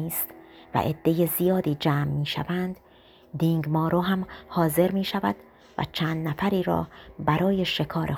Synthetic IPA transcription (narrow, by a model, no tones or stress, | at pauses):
iːst̪væ̰ʔe̞d̪̥ːe̞je̞zijɒːd̪iːd͡ʒæːmːiːʃæ̰vænd̪̥ | d̪iːŋɡmɒːɾoɦæmhɒːze̞ɾmiːʃævæd̪̥ | væ̰t͡ʃʰæːnd̪næfæɾiːɾɒ̰ːbæɾɒːje̞ʃe̞kʰɒːɾe